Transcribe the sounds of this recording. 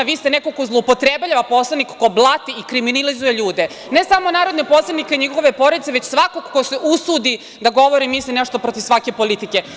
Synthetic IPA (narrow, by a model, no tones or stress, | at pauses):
ʋist̪enekokozlˠoupot̪ɾebʎaʋapo̞slˠanikkoblˠat̪iikɾiminilizujeʎuːd̪e | nesamonaːɾod̪nepo̞slˠanikeiɲiɡo̞ʋe̞poɾed̪it̪eʋet͡ɕsʋakokːoseʔusuːd̪i | d̪aɡo̞ʋoɾimːislineʃt̪opɾot̪iʋsʋake̞po̞lit̪ike